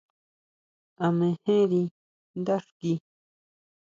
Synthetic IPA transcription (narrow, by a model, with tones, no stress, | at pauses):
a˨mẽ˨hẽ˦ɾi˧ | nd̪a˦ʂki